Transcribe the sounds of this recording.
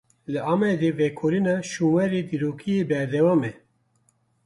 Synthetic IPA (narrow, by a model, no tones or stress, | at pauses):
lɨʔɑːmɛd̪eːvɛkʰoːɾinɑːʃuːmwɛɾeːd̪iːɾoːkʰijeːbɛɾd̪ɛwɑːmɛ